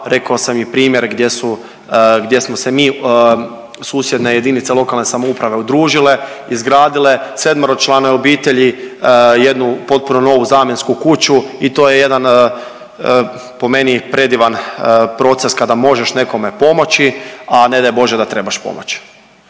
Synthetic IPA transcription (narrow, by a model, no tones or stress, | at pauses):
ɾe̞kaosamjipɾiːmjeɾɡd̪jesu | ɡd̪je̞smosemiː | suːsjed̪neje̞d̪init̪selˠo̞kalˠne̞samoupɾaʋe̞ud̪ɾuːʒile̞ | izɡɾaːd̪ile̞se̞d̪maɾot͡ʃlˠanoeobiːt̪eʎi | jed̪nupo̞t̪̚punono̞ːʋuzaːmje̞nskukut͡ɕuit̪o̞ːje̞je̞d̪an | po̞me̞nipɾe̞d̪iʋanpɾo̞t̪se̞skad̪amo̞ʒeʃne̞ko̞me̞po̞mo̞t͡ɕiane̞d̪ajbo̞ʒed̪at̪ɾe̞baʃpo̞̰mo̰t͡ɕ